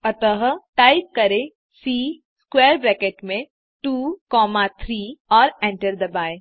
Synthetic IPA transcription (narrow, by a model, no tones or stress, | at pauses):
ɐt̪əɦʈaːɪp̚kɐɾe | siː | skweːɾbɾɛːkeːʈmẽ | ʈuːkɔːmat̪ʰɾiːɔːɾɛ̃ɳʈəɾd̪ɐbaːe